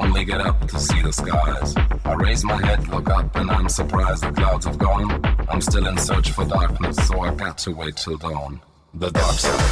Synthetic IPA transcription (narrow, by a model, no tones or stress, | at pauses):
ʊ̃nliɡɛɾʌp̚tʰɨsiðɨskaɪz̥aɪɹeɪzmaɪɦɛdlʊkʌpɨ̃nãɪ̃msə˞pʰɹ̥aɪzdʌvkʰl̥aʊdzʌvɡoʊɪ̃ŋãɪ̃mstɪlˠɨ̃nsɜ˞t͡ʃfə˞dɑɹknɨsːoʊaɪɡɑtʰəweɪtʰəlˠdõʊ̃n | ðədɑɹk̚tʰə̰˞